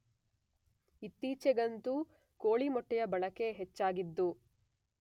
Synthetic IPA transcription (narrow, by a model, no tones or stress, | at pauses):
it̪ːiːt͡ʃɛɡɐnt̪u | koːɭimɔʈːɛjɐbɐɭɐke̞ɦet͡ʃːaːɡid̪ːu